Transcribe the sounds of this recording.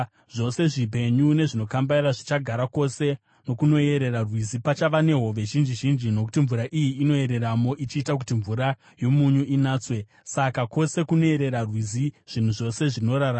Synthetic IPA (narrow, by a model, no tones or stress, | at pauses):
ʐo̞se̞ʐip̬e̞ɲune̞ʐino̞kambaraʐit͡ʃaɡʱaɾako̞se̞ | no̞kuno̞e̞ɾe̞rarwizipat͡ʃaʋane̞ɦo̞ʋe̞ʒind͡ʒiʒind͡ʒino̞ku̥tiɱvuɾaʔijiːno̞e̞ɾe̞ramo̞ʔit͡ʃiːtak̬utiɱvuɾa | jo̞muɲuʔinaːt͡swe̞ | sakako̞se̞kuno̞e̞ɾe̞ɾarwiziʐ̥in̤uʐo̞se̞ʐino̞ɾaɾa